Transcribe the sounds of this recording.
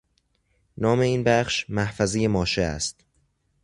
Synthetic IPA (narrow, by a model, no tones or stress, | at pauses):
nɒːme̞iːnbæχʃmæhfæzejemɒːʃeæ̰st̪